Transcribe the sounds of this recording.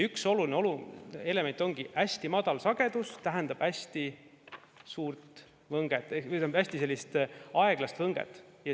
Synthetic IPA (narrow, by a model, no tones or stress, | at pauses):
ykso̞lulineo̞lue̞le̞me̞nt̪ːˑo̞ŋɡ̥iʔæsʲt̪imɑd̪ɑlsɑɡ̥e̞d̪̥ust̪æɦænd̪̥ɑb̥æsʲt̪i | suːrt̪ | vɤŋɡ̥et̪ːˑet̪æbæsʲt̪ise̞lːist̪ɑeɡ̥lɑst̪vɤŋɡ̥ḛt̪ːˑjɑ